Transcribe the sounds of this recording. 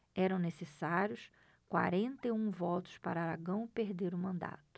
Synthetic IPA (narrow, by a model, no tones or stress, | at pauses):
ɛɾɐ̃w̃nesesaɾjʊs | kwa̰ɾẽnt̪ɐiũvɔt̪ʊ̥spaɾɐaɾaɡɐ̃w̃peɾd̪eɾʊmɐ̃nd̪a̰t̪ʊ̥